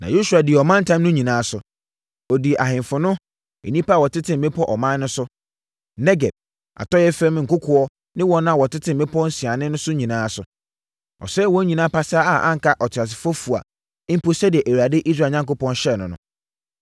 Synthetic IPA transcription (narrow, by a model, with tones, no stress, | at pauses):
nã̰˨ju˦su˨a˨dɪ˨ɛ˨ɔ˨mã˦n˦tʰã˦mnʊ̃˦ɲĩ˨nãː˨˦sʊ˨ | ɔ˨di˨ʔa˨ɦɪ̃˨mfʊ˨nʊ̃˦ | ḛ˨nĩ˦pa˦˨wɔ˨tʰɪ˦tʰɪ̃˨m̩ː˨ẽ˦pʰɔ˦ʔɔ˨mã˦nː˦ʊ̃˦sʊ˦ | nɛ˦ɡɛ˨d̚ | a̰˨tɔ˦jɛ˦fɛ̃˦m˦ŋ̩˨kʊ˦kʰʊ˨ɔ˦ | nɪ̃˦wɔ̃˦ñ˦a˨wɔ˨tʰɪ˦tʰɪ̃˨m̩˨mẽ˦pʰɔ˦n̩˦si˨a˨nɪ̃˦nʊ̃˦sʊ˦ɲĩ˨nãː˨˦sʊ˨ | ɔ̰˨sɛː˦wɔ̃˦ɲĩ˨nãː˦pa˦saː˦a˨ʔã̰˦ŋ̩˨ka˦ʔɔ˨tʰɪ˨a˨s̬ɪ˨fɔ˦fu˨a̰˨˦ | m̩˦po˦sɛ˦dɪ˨ɛ˨ʔe˨wa˨dɪ˦ʔi˦s̬ɾaː˨ɲã˦ŋko˦pɔ̃˦nɕɛ˦˨nʊ̃˨nʊ̰̃˦